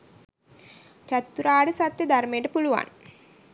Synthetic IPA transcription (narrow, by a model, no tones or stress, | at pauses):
t͡ʃat̪ːuɾaːɖəsat̪jəd̪ʱarmejʈəpuluʋa̰n